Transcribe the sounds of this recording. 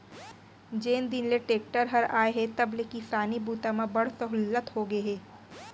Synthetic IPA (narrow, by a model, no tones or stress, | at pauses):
d͡ʒeːnd̪ɪnleʈeːk̚ʈəɾɦɐɾa̰ːeɦɛt̪ɐblekisaːnibuːt̪amãbɐɽ̤sɐɦʊlːət̪hoɡeɦeː